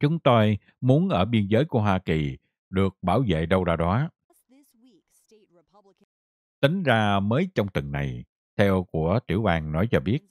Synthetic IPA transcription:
t͡ɕʊ˨˦ŋ͡mt̪o˧j | mu˨˦ənʔəː˧˩ɓi˧ənzəː˨˦jku˧˩əɦwaː˧ki˨˩ | ɗɨ˨˩ək̚ɓaː˧˩wzḛ˧˨ɗə˧wzaː˧ɗɔ˨˦ | ɪswi | pʰ | t̪ï˨˦ŋ̟zaː˧məː˨˦jt͡ɕɔ˧wŋ͡mt̪ɨ˨˩ŋna̰˨˩j | t̪ʰɛ˧wku˧˩ət̪i˧˩əwɓaː˧ŋnɔ˨˦jt͡ɕɔ˧ɓi˦˥ət̚

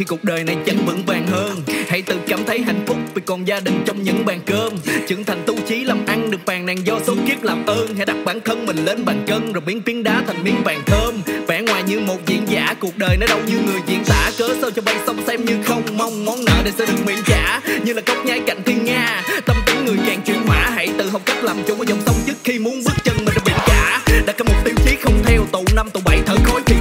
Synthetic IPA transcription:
i˧ku˨˩ək̚ɗəː˨˩jna˨˩jt͡ɕə˨˦nvɨ̰˧˥ŋvaː˨˩ŋɦəː˧nha̰˧˥jt̪ɨ̰˧˩kaː˧˩mt̪ʰə˨˦jɦa̰˧˨jŋ̟fʊ˦˥k͡p̚vi˨˩kɔ˨˩nzaː˧ɗï˨˩ŋ̟t͡ɕɔ˧wŋ͡mɲɨ̰˧˥ŋɓaː˨˩nkəː˧mt͡ɕɨ̰˨˧˩əŋt̪ʰa˨˩jŋ̟t̪u˧wt͡ɕi˨˦laː˨˩mʔa˧ŋɗɨ˨˩ək̚faː˨˩ŋna˨˩ŋzɔ˧so˨˦ki˦˥p̚laː˨˩mʔəː˧nha˧˥ɗa˨˩k̚ɓaː˧˩˦nt̪ʰə˧nmï˨˩ŋ̟le˧nɓaː˨˩ŋkə˧nzoː˨˩ɓi˨˦ənfi˨˦nɗaː˧t̪ʰŋ̟mi˧əŋvaː˨˩ŋt̪ʰəː˧mvɛ̰˧˩ŋwaː˨˩jɲɨ˧mo˨˩t̚zḭ˧˨ənzaː˧˩˥ku˨˩ək̚ɗəː˨˩jnɔ˨˦jɗə˧wɲɨ˧ŋɨ˨˩əjzḭ˧˨ənt̪a̰ː˧˥kəː˨˦sə˧wt͡ɕɔ˧ɓa˧˩jsə˧wŋ͡msɛ˧mɲɨ˧xə˧wŋ͡mma˧wŋ͡mmɔ˨˦nnə̰ː˧˨ne˨˩sɛ̰˧˥ɗɨ˨˩ək̚mwḭ˧˨ənt͡ɕa̰ː˧˥ɲɨ˧ŋlaː˨˩ɣə˦˥wk͡p̚ɲaː˨˦jka̰˧˨jŋ̟t̪ʰi˧ənŋaː˧t̪ə˧mt̪ə˨˦ŋŋɨ˨˩əjzaː˨˩ŋt͡ɕwḭ˧˨ənɦwaː˧˩ɦa̰˧˥jt̪ɨ̰˧˨˩ɦə˨˩wk͡p̚kə˦˥laː˨˩mt͡ɕʊ˨˧˦ŋ͡mʔaː˨˧˩zɔ˨˩wŋ͡msə˧wŋ͡mt͡ɕɨ˦˥k̚xi˧mu˨˦ənɓɨ˦˥k̚t͡ɕə˧nmï̟˨˩ɗa˨˩ɓḭ˧˩ənt͡ɕaː˧˥ɗaː˨˥˩kːɔ˧˦mo˨˩t̚t̪i˧mxi˨˦xə˧wŋ͡mt̪ʰɛ˧wt̪ṵ˧˨na˧mt̪u˧˩ɓa˧˩jt̪ʰəː˧˩jxo˧˦jt̪ʰi˨˩

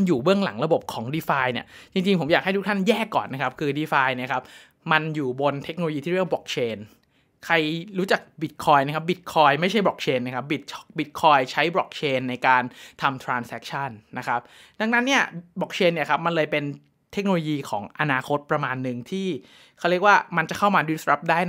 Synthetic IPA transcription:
njuː˨˩bɯ˥˩əŋla̰˩˦ŋɾa˧bo˨˩p̚kʰɔː˩˦ŋdiː˧faː˧jni˦˥˩ɐt͡ɕi˧ŋt͡ɕi˧ŋpʰo˩˦mjaː˨˩k̚ha˥˩jt̪u˦˥kt̪ʰa˥˩njɛː˥˩kːɔ̰ː˨˩nːa˦˥kʰa˦˥p̚kʰɯː˧diː˧faː˧jni˥˩ɐkʰa˦˥p̚ | ma˧njuː˨˩bo˧nt̪ʰe˦˥k̚o˧o˧jiː˧t̪ʰiː˥˩ɾi˥˩bɔ˨˩k̚t͡ɕʰeː˧n | kʰa˧jɾuː˦˥t͡ɕa˨˩k̚bi˨˩t̪̚kʰɔː˧jna˦˥kʰa˦˥p̚bi˨˩t̪̚kʰɔː˧jma˥˩jt͡ɕʰa˥˩jbɾɔ̰ː˨˩k̚t͡ɕʰeː˧nːa˦˥˩kʰa˦˥p̚bi˨˩t̪̚t͡ɕʰbi˨˩t̪̚kʰɔː˧jt͡ɕʰa˦˥jbɾɔ˨˩k̚t͡ɕʰeː˧nːa˧jkaː˧nt̪ʰa˧mt̪ʰɾaː˧nsɛ˦˥k̚t͡ɕʰa˥˩nːa˦˥kʰa˦˥p̚da˧ŋna˦˥nːi˥˩ɐbɔ˨˩k̚t͡ɕʰeː˧nːi˥˩ɐkʰa˦˥p̚ma˧nlɤː˧jpe˧n | t̪ʰe˦˥k̚no˧loː˧jiː˧kʰɔ̰ː˩˦ŋʔa˧naː˧kʰo˦˥t̪̚pɾa˧maː˧nːɯ˨˩ŋt̪ʰiː˥˩ | kʰa˦˥wɾək̚waː˥˩ma˧nt͡ɕa˨˩kʰa˥˩wmaː˧di˦˥sɾa˦˥p̚daː˥˩j

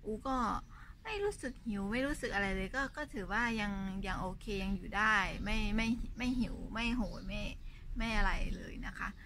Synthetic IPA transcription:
ʔuː˧˩kɔː˥˩ma˥˩jɾuː˦˥sɯ˨˩k̚hi˨˩˦wma˥˩jɾuː˦˥sɯ˨˩k̚ʔa˧ɾa˧jlɤː˧jkɔː˥˩kɔː˥˩t̪ʰɯː˩˦waː˥˩ja˧ŋja˧ŋʔoː˧kʰeː˧ja˧ŋjuː˨˩daː˥˩jma˥˩jma˥˩jma˥˩jɦi˨˩˦wma˥˩jɦoː˨˩˦jma˥˩jma˥˩jʔa˧ɾa˧jlɤː˧jna˦˥kʰa˦˥ʔ

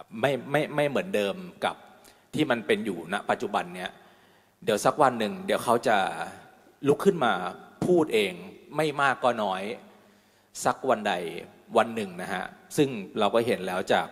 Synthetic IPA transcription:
ma˥˩jma˥˩jma˥˩jmɯ˩˦əndɤː˧mka̰˨˩p̚ | t̪ʰiː˥˩ma˧npe˧njuː˨˩na˦˥ʔpa˨t̪̚t͡ɕu˨˩ba˧nːi˦˥ɐ | di˩˦əwsa˦˥k̚wa˧nːɯ˨˩ŋdi˩˦əwkʰa˦˥wt͡ɕa˨˩ | lu˦˥kʰːɯ˥˩nmaː˧pʰuː˥˩t̪̚ʔeː˧ŋma˥˩jmaː˥˩kːɔː˥˩nɔː˦˥j | sa˦˥k̚wa˧nda˨˩j | wa˧nːɯ˨˩ŋna˦˥kʰa̰˦˥ʔsɯ˥˩ŋɾa˧wkɔː˥˩ɦe˩˦nlɛː˦˥wt͡ɕaː˨˩k̚

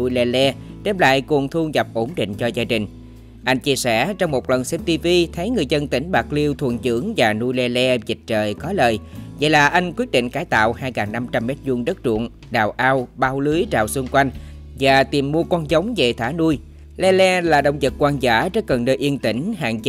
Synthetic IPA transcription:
u˧jlɛ˧lɛ˧ɗɛ˧mla̰ː˧˨jku˨˩əŋt̪ʰu˧ɣa˨˩p̚ʔo˧˩nɗḭ˧˨ŋ̟t͡ɕɔ˧zaː˧ɗï˨˩ŋ̟ | ʔa˧jŋ̟t͡ɕi˧əsɛ˧˩t͡ɕɔ˧wŋ͡mmo˨˩t̚lə˨˩nsɛ˦˥p̚t̪i˧vi˧t̪ʰə˨˦jŋɨ˨˩əjzə˧nt̪ï˧˩ŋ̟ɓaː˨˩k̚li˧əwt̪ʰṵ˨˧˩ənt͡ɕɨ̰˧˥əŋvaː˨˩nu˧jlɛ˧lɛ˧zï˨˩k̟̚t͡ɕəː˨˩jkɔ˨˦ləː˨˩jva̰˧˨jlaː˨˩ʔa˧jŋ̟kwi˦˥ət̚ɗḭ̈˧˨ŋ̟kaː˧˩jt̪a̰ː˧˨whaː˧jkaː˨˩ŋna˧mt͡ɕa˧mːɛ˦˥t̚zu˧ənɗə˦˥t̚t͡ɕṵ˧˨ən | ɗa̰ː˨˩wʔaː˧wɓaː˧wlɨ˨˦jt͡ɕa̰ː˧˨wsu˧ŋ͡mkwa˧jŋ̟ | vaː˨˩t̪i˨˩mːu˧əkɔ˧nzə˨˦wŋ͡mve˨˩t̪ʰaː˧˥˦nu˧j | lɛ˧lɛ˧laː˨˩ɗə̰˧˨wŋ͡mzə˨˩t̚kwaː˧nzaː˧˩˥t͡ɕə˦˥kə˨˩nnəː˧jʔi˧ənt̪ï˧˩ŋ̟ha̰ː˧˨ŋt͡ɕ

